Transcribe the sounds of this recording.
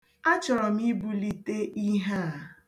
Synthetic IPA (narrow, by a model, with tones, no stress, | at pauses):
a˦t͡ʃɔ˨ɾɔ˨mi˦bu˦li˦te˦ʔi˦ɦa˦˨